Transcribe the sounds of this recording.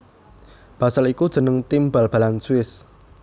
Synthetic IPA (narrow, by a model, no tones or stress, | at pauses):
b̥asalikud̥ʒ̥ə̤nəŋt̪imbalb̥ä̤lansuwɪs